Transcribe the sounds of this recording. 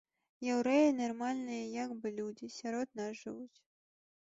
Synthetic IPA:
jɛwɾɛjɛnɐrmalʲnɨjɐjaɡbɨlʲud͡zʲisʲaɾɔd̪nasʐɨvut͡sʲ

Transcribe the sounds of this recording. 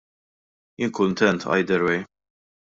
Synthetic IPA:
jɪnkʊnt̪ɛnt̪ʰɐ̰jd̪ɛɾwɛj

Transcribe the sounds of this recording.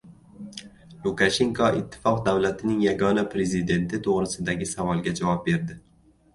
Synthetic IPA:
lˠukʰaʃe̞ŋkʰɒɪt̪ʰːɪ̥fɒqd̪awlat̪ʰɪnɪŋjaɡɒnapʰɾe̞zɪd̪e̞nt̪ʰɪt̪ʰoʁɾɪsɪd̪aɡʲɪsavɒlˠɡʲad͡ʒavɒp̚be̞ɾd̪ɪ

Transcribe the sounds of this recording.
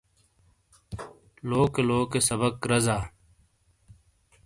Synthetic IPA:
loːkeloːkesɐbəkɾɐzaː

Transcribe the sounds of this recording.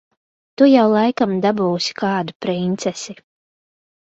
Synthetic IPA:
t̪ujawlˠajkamd̪abuːsi̥kaɑːd̪upɾint̪sɛsi

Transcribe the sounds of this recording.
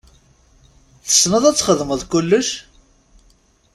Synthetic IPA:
θə̥snəðˤæt͡sːχəðməðˤkʊlːəʃ

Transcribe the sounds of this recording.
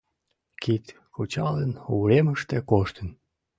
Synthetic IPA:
kit̪ | kʰot͡ɕɑlənoɾeməʃt̪ekoʃt̪ən

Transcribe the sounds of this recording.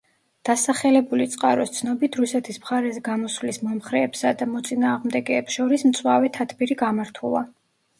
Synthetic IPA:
d̪̥asaχɛlɛbulit̪sʼqʼaɾɔst̪sʰnɔbit̪ʰɾusɛt̪ʰismχaɾɛzɛɡamɔsvlismɔmχɾɛːpsad̪amɔt̪sʼinaːʁmd̪ɛɡɛːpsʃɔɾismt̪sʼwavɛt̪ʰat̪ʰbiɾiɡamaɾt̪ʰulˠa̰

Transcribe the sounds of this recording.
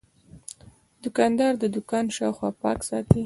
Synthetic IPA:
d̪ʊkɑnd̪ɑɾd̪əd̪ʊkɑnʃɑwxwɑpɑksɑt̪i

